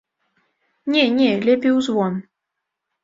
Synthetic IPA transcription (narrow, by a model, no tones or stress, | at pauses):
nʲɛnʲɛlʲɛpʲiwzvɔn